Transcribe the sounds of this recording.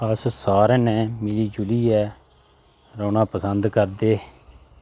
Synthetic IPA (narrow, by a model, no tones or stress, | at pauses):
əssaːɾɛːnɛ̃ːmɪliːd͡ʒʊliːɛː | ɾoːnãːpəsənd̪kəɾd̪eː